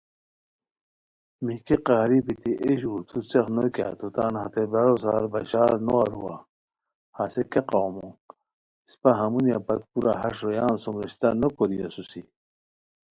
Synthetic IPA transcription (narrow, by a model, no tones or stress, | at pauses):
mikeqaːɾipit̪iʔeɕuɾt̪ʰut͡sexnokʲa̰t̪ʰut̪aːnhat̪ebɐɾosaːɾbɐɕaːɾnoaɾṵwa̰ | hasekeqaːmo | si̥paɦɐmunjapɐt̪̚puɾa̰ɦɐʂɾojaːnsomɾeɕt̪anokoɾijosusi